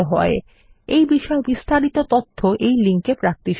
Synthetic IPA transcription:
eɦɔe | ejbiʃɔebist̪aɾit̪ot̪ot̪ʰːoʔejliŋkepɾak̚t̪iʃ

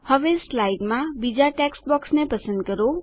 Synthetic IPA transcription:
hʌʋeslajɖmabid͡zaʈeksbɔksnepəsə̃nd̪̚ɡəɾo

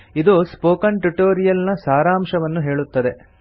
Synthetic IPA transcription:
id̪uspoːkɐɳʈuʈoːɾijɐlnɐsaːɾaːmʃɐʋɐnːuɦe̞ːɭut̪ːɐd̪e̞

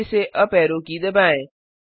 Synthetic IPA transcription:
seʔɐpɛːɾõːkid̪ɐbaːẽː

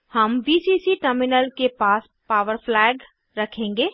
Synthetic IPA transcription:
həmbiːsiːsiʈəɾmɪnəlkepaːs | paːʋəɾpʰlɛːɡ | ɾɐkʰẽːŋɡeː

